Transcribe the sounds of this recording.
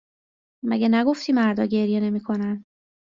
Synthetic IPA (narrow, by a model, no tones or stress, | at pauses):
mæɟenæɡo̞ft̪ʰiːmæɾd̪ɒ̰ːɟe̞ɾjene̞miːkʰo̞næn